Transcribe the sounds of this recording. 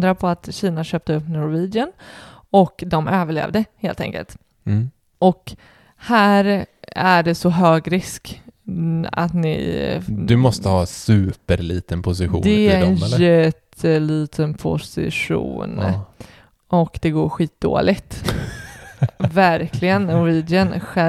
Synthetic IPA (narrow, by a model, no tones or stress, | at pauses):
d̪ɾapʰɔat̪ɕiːnaɕøːp̚t̪əɵpːnʊɾviːd̪ɪən | ɔkd̪ɔmøːvəɭḛːvd̪əheːlt̪ʰɛ̰ŋkə̰lt̪ | ʔɔk | hæːɾæɖɛsɔɦøːɡɾɪsk | a̰t̪nɪ̰d̪ɵmɔst̪əhɑːsʉ̟ːpəɾliːt̪ənpʰʊs̬ɪɧṵːd̪ɛæɾɛnjɛt̪ʰːəliːt̪ʰənpʰʊ̰sɪ̰ɧṵːn | ɔkd̪ɛɡoːɾɧiːt̪̚d̪o̰ːlɪɡt̪ | væɾklɪɡənːɔɾviːd̪ɪənɧɛ